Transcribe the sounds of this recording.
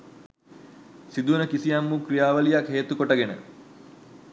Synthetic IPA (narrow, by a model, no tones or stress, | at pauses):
sid̪unəkisijɐmːukɾijaːʋəlijakɦeːt̪ukoʈəɡenə̰